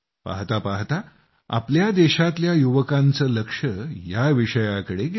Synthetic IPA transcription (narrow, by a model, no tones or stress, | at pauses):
pa̰ɦt̪apaɦt̪a | a̰pljad̪eɕat̪ljajuʋəkant͡səːləkʂəjaʋiʂəjakəɽeɡ